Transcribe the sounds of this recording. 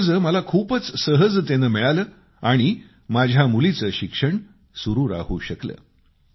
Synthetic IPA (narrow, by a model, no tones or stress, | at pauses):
d͡zəməlakʰuːpət͡ssəɦəd͡zt̪enəmɛɭaləː | aɽ̃i | mad͡ʑʱjamulit͡səːɕikʂəɳ | suɾuːɾa̰ɦṵːɕəklə̰ː